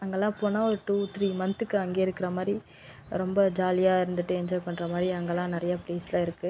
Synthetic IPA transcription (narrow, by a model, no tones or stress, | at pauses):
ɐŋɡɐlːãːpːoːnãːɔɾɯʈuːt̪ɾiːmɐnt̪ɯkːɯɐŋɡeːɪɾɯkːɪɾɐmaːd̪ɾi | ɾɔmbɐd͡ʒaːlɪjaːɪɾɯnd̪ɯʈːɯɛɲd͡ʒɔːɪpɐɳːɾɐmaːd̪ɾiɐŋɡɐlːãːnɪɾɐjɐpleːslãːɪɾɯkːɯ